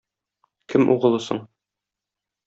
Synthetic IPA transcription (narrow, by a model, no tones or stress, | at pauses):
kʰɘmʔṵʁɤ̆lˠɤsɤ̰ɴ